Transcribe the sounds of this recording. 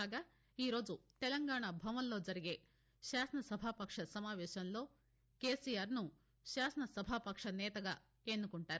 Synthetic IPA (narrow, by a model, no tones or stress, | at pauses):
aːɡaː | iːɾoːd͡ʒut̪ɛlɐŋɡaːɳɐbʱɐʋɐnlo̞ːd͡ʒɐɾiɡe̞ː | ʃaːsɐnɐsɐbʱaːpɐkʂɐsɐmaːʋɛːʃɐnlo̞ː | ke̞ːsijaːɾnu | ʃaːsɐnɐsɐbʱaːpɐkʂɐnɛːt̪ɐɡaː | enːukuɳʈaːɾu